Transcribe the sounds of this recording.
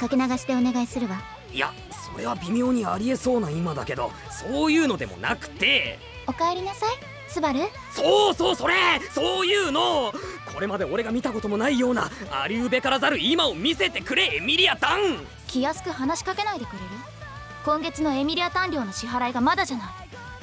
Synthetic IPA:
kake̞naɡaɕi̥t̪e̞o̞ne̞ɡaisɨɾɯ̟βa | ija̰ | so̞̰ɾe̞βabʲimʲo̞ːɲ̟iaɾʲie̞so̞ːnaimad̪a̰ke̞d̪o̞̰ | so̞ːjɯ̟ːno̞d̪e̞mo̞̰nʔa̰kɯ̟̥t̪e̞ | o̞kaeɾʲinasai | sɨbaɾɯ̟ | soːso̞ːso̞ɾe̞so̞ːjɯːno̞kʰo̞ɾe̞mad̪e̞o̞ɾe̞ɡamʲit̪ako̞t̪o̞mo̞naijo̞ːna̰a̰ɾʲɯɯbe̞kaɾazaɾɯ̟imaomʲise̞t̪e̞kɯ̟ɾe̞emʲiɾʲiat̪ãŋ | kʲijasɨ̥kɯ̟ɦanaɕi̥kake̞naid̪e̞kɯ̟ɾe̞ɾɯ̟ | kõ̞ŋɡe̞t͡sɨno̞e̞mʲiɾʲiat̪ãnɾʲo̞ːno̞ɕiɦaɾaiɡamad̪aʑanai

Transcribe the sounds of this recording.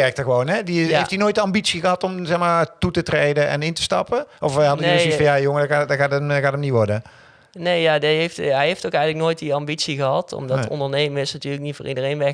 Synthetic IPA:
ɛrk̚təɣəʋownɦɛdiɦejftinoːjt̚dəɑmbitsiɣəɦɑtɔmzɛxmaːtutətrejdənʔɛ̰nɪntə̥stɑ̰pəɔfɛɦɑdəzifɑ̃njaːjoŋədaadaɣaːtəɣaːtəmniʋɔrdə | nejjadiɦejftɦɛjɦejftokɛjənləknoːjt̚diɑmbitsiɣəɦɑtɔ̰mdɔɔ̰ndəɹnejməɪsnatyːləknitfo̰ːrʔidərejnʋɛ

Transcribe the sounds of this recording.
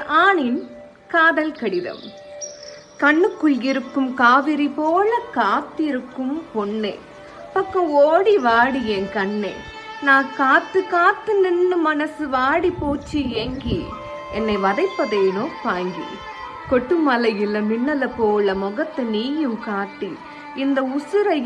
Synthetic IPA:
aːɳɪn | kaːðɐlkɐɽɪðɐ̰m | kɐɳːɯkːɯlɪɾɯkːɯmkaːʋɪɾipoːlɐkaːt̪ːɪɾɯkːɯmpɔɳːḛː | pɐkːɐ̃oːɽiʋaːɽijɛnkɐɳːḛː | naːkaːt̪ːɯkaːt̪ːɯnɪnːɯmɐnɐsɯʋaːɽipoːt͡ʃːieŋɡi | ɛnːɐɪʋɐðɐɪpːɐðeːnoːpaːŋɡḭ | kɔʈːɯmɐlɐjɪlɐmɪnːɐlɐpoːlɐmɔɣɐt̪ːɐniːjɯmkaːʈːi | ɪnd̪ɐʊsɯɾɐ

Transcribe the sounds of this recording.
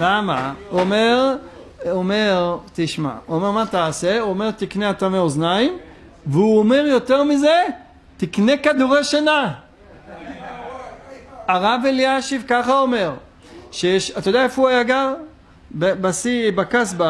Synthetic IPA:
lamaomeʁ | ome̞ʁt̪iʃma̰uome̞ʁmat̪aːse̞uome̞ʁt̪ikneat̪ameoznaim | veuome̞ʁjo̞t̪eʁmize̞ | t̪ikne̞kad̪uʁejʃana | aʁaveliaʃivkaχaome̞ʁ | ʃejeʃat̪ajodaefuajaɡaʁ | bebasibakasba

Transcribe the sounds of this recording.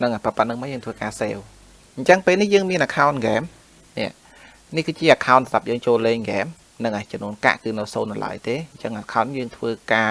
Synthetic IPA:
nɨŋʔapapət̪̚nɨŋməjəːŋt̪ʰʋəːkaːseːw | ɲ̩t͡ɕəŋpeːlnihjəːŋmiənʔaːkʰaɔnɡɛːm | nɛ̰̆əʔ | nihkɨːt͡ɕiəʔaːkʰaɔnsat̪ap̚jəːŋt͡ɕoːleːŋŋɡɛːm | nɨŋʔaːt͡ɕɔmnuənka̰ʔkɨːnɨwso̰ːnːala̰əjt̪eːɲt͡ɕəŋʔakʰaɔnːjəːŋt̪ʰʋəːkaː

